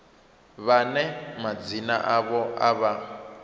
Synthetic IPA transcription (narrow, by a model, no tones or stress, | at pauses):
βanɛmad͡zinaʔaβɔa̰βa